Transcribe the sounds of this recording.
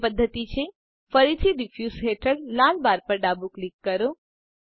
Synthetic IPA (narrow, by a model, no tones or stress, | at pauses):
pəd̪ʱːət̪it͡ʃʰe | fəɾit̪ʰiɖifjusɦeʈʰəɽlalbaɾpəɾɖabuklikːəɾo